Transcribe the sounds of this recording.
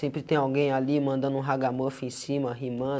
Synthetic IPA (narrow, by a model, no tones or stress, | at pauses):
sẽmpɾɪt̪ẽj̃awɡẽj̃alimɐ̃nd̪ɐ̃nd̪ʊũɦaɡamofʊẽsĩmɐɦimɐ̃